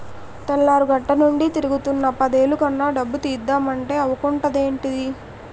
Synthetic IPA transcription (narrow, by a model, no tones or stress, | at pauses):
t̪ɐlːaːɾuɡɐʈːɐnuɳɖit̪iɾuɡut̪unːɐpɐd̪e̞ːlukɐnːaːɖɐbːut̪iːd̪ːaːmɐɳʈe̞ːɐʋɐkuɳʈɐd̪e̞ːɳʈid̪i